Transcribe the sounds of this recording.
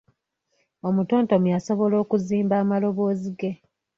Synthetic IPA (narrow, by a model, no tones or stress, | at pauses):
o̞muto̞ːnto̞muaso̞βo̞lo̞ːkuziːmbaːmalo̞βo̞ːziɡe̞